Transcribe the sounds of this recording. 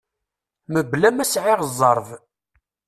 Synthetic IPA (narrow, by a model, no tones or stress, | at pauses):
məblæmæsʕɪʁzˤːəɾˤv